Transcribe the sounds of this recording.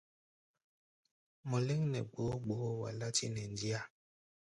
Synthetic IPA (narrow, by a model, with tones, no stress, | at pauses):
mɔ˨le˦ŋnɛ˨ɡ͡bo˨˦ɡ͡bo˨o˦wa̰˨la˦ti˦nɛ˨ndi˦a˦˨